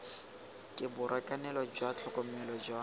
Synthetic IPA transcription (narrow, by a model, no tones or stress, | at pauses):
kʼɪbʊɾakʼanɛlɔd͡ʒwat͡ɬʰɔkʼɔmɛlɔd͡ʒwa